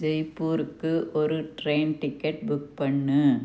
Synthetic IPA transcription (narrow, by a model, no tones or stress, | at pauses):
d͡ʒɐɪpːuːɾɯkːɯʔɔɾɯʈɾeːnʈɪkːɐʈ̚bʊk̚pɐɳːɯ